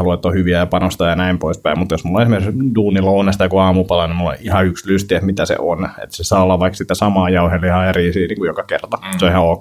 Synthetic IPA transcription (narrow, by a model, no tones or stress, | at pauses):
hɑluet̪ːohyʋiæjɑpɑnost̪ɑjɑnæimpoispæimut̪josmulːõnesimerduːnilounest̪ɑjokuɑːmupɑlɑnimulːõ̰ihɑykslyst̪iet̪mit̪æsḛʔonḛt̪sesɑːolːɑʋʋɑiksit̪ːæsɑmɑːjɑuheliɑːeriːsiːniːŋkujokɑkert̪ɑseoihɑok